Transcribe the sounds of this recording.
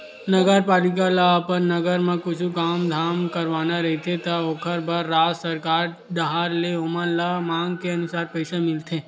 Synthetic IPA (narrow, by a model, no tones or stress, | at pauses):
nɐɡəɾpaːlɪk̬alaapəɾnɐɡəɾmẽkʊt͡ʃʰukaːmd̪ʱaːmkɐɾʋaːnaɾɐɦet̪ʰet̪aokʰəɾbaɾːaːsɐɾkaːɾ | ɖ̪ɐɦaːɾleʊmənlamãːŋɡkeɐnʊsaːɾpɛɪsamɪlt̪ʰeː